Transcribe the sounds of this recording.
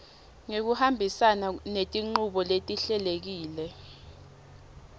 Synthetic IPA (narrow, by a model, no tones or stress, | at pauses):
ŋek̬uhambʱisananetʼiŋ͡ǃuɓɔletʼiɬɛlek̬iːlɛ